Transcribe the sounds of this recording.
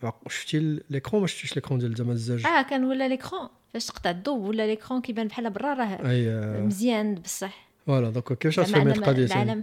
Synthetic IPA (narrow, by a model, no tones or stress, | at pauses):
ʃə̥ft̪illekχɔ̃mæʃft̪iʃləkχɔ̃d̪jæld̪æmænzːæʒækænwəlːæləkχɑ̃ | fæʃt̪ə̥qt̪ˤɑʕd̪ubwəlːælekχɑ̃kibænbħalːæbɑrˤːɑɾˤɑɦæəjməzjænbəsˤːɑħ | wælæd̪ɔ̃kkːæfʃææmqɑælʕaləm